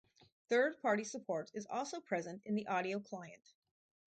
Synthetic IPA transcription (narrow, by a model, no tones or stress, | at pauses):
θɜ˞d̚pʰɑɹɾisəpʰɔɹɾɨzɔ̰lˠsoʊpʰɹ̥ɛzɨ̃ntɨ̰̃nðiʔɑɾioʊkʰl̥aɪɨ̰̃nt